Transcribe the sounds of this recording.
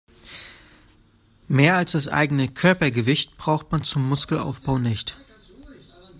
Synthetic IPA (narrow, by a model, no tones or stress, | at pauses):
meːɐalsd̥asʔa̰ɪɡənəkʰœɐpɐɡəvɪçtb̥ʁaʊxtmant͡sʊmːʊskl̩a̰ʊfb̥aʊnɪçt